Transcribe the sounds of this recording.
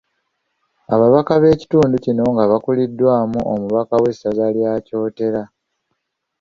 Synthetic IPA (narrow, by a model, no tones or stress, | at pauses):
aβaβakaβe̞ːci̥tuːnducino̞ŋɡaβakulidːwaːmuʔomuβakawe̞sazaljaːco̞ːte̞ɾa